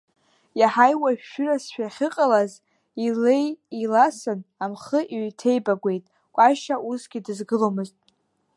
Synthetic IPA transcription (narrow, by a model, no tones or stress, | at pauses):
jaħajwaʒʃᶣʏrasʃᶣaχʲɪqʼalaz | ile̞jilasɨnamχəʔiɥtʰe̞jbaɡʷe̞jtʼ | kʷʼaʃaʔusɡ̥ʲidɨzɡɨlomɨztʼ